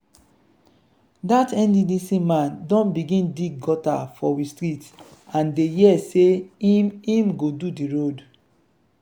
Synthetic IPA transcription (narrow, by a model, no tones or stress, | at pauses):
datɛ̃ndidisĩmãndɔ̃nbiɡĩndiɡɡɔta̰fɔwistɹitãndejɛseimĩmɡodudiɹod